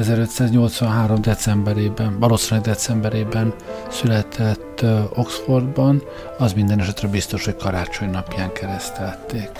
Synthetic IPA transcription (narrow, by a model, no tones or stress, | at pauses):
ɛzɛɾø̞t̪saːzɲo̞lt̪sʋɒnɦaːɾo̞md̪ɛt̪sɛmbɛɾeːbɛnvɒloːsinlɛɡd̪ɛt̪sɛmbɛɾeːbɛnsylɛt̪ʰɛt̪ːo̞ksfo̞rd̪bɒn | ɒzmind̪ɛnɛʃɛt̪rɛbist̪o̞ʃho̞ckɒɾaːt͡ʃo̞ɲnɒpjaːŋkɛɾɛst̪ɛlt̪ːeːk